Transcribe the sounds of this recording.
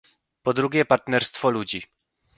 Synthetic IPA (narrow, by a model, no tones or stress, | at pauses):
pɔd̪ɾuɡʲɛpaɾt̪nɛɾst̪fɔlud͡ʑi